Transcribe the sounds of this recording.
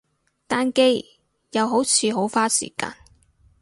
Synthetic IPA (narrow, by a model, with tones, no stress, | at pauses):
t̪aː˥nke˥j | jɐ˨˧wɦo˨˥wt͡sʰiː˧ɦo˨˥wfaː˥sḭː˨˩ka̰ː˧n